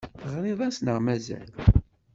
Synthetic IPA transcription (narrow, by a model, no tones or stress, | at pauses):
ʁɾiðˤæsnəʁmæzæ̰l